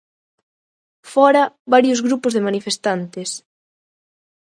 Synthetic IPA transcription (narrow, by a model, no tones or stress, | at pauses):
fɔɾɐβaɾjozɣɾupʊzðemanifest̪ant̪ɪs